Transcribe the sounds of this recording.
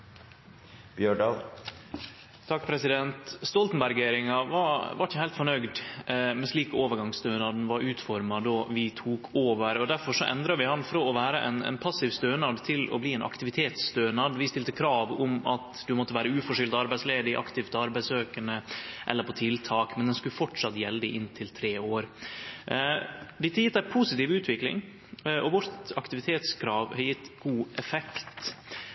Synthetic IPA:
b̥jøːɖɑl | t̪ʰɑk̚ːpʰɾɛsɪd̪ɛnt̪st̪ɔlt̪ənbæɾɡeːɾɪŋɑʋɑʋɑɾɪçəhæɪlt̪fɔɳœɡd̪mɛsɭiːkoːʋəɾɡɑŋst̪øːnɑd̪n̩ʋɑɾʉːt̪fɔɾmɑd̪oːʋɪt̪ʰuːkʰoːʋəɾɔd̪æɾfɔʂɔʔɛ̰nd̪ɾɑʋɪhɑnfɔɾɔɔʋæːɾəʔɛ̰nɛ̰ɪnpʰɑsɪʋst̪øːnɑd̪t̪ʰɪlɔ̰bliːɛɪnʔɑ̰kt̪ɪʋɪt̪ʰeːt̪sːt̪øːnɑd̪ʋɪst̪ɪlt̪əkʰɾɑːʋʊmɑt̪d̪ʉmɔt̪ːəʋæːɾəʉːfɔʂɪlt̪ɑɾbæɪsleːd̪ɪʔɑ̰kt̪ɪʋt̪ʰɔɑɾbæɪsøːkəɳəʔɛ̰lːəɾpʰɔt̪ʰɪlt̪ʰɑːkmɛnd̪ɛnskʉləfɔʈʂɑt̪jɛləd̪ɪʔɪnt̪ʰɪlt̪ʰɾeːoːɾ | d̪ɪt̪ːəjɪt̪d̪æpʰusɪt̪iːʋʉːt̪ʰʋɪklɪ̰ŋ | ʔɔʋʊɾt̪ɑkt̪ɪʋɪt̪ʰeːt̪skʰɾɑːʋhɑjɪt̪ːɡ̥uːʔɛfɛkt̪

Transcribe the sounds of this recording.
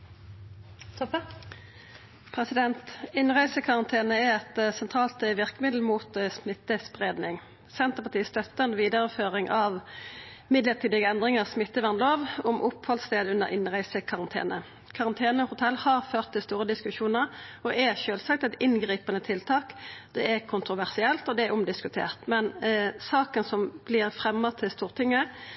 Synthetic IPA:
pʰʁɛsɪd̪ɛnt̪ɪnʁæɪsəkʰɑʁɑnt̪ʰeːnəɛɛt̪sɛnt̪ʰʁɑːlt̪əʋɪʁkəmɪd̪l̩muːt̪smɪt̪ːəspʁeːd̪nɪŋ | sɛnt̪əpɑt̪iːəst̪œt̪ːəɛnʋiːd̪əʁəføːʁɪŋʔɑʋ | mɪd̪ləʁt̪ʰiːd̪ɪɡəɛnd̪ʁɪŋəsmɪt̪ːəʋæʁnloːʋɔmʔʊphɔlst̪eːd̪ʉnːə̰ʁʔɪnʁæɪsəkʰɑʁɑnt̪ʰḛːnə | kʰɑʁɑnt̪ʰeːnəhʊt̪ʰɛlːhɑʁføːʁt̪ʰːɪlst̪uːʁəd̪ɪskʉʃuːnəʁɔʔɛʃøːlsɑk̚t̪ɛt̪ɪnɡʁiːpənət̪ʰɪlt̪ʰɑːkd̪̥ɛɛkʰʊnt̪ɾʁʊʋæʁsɪɛlt̪ɔd̪ɛæɾʔʊmd̪ɪskʉt̪ʰḛːʁt̪mɛnsɑːkənsɔmb̥lɪʁfʁɛmːət̪ʰɪlst̪uːʁt̪ʰɪŋːə

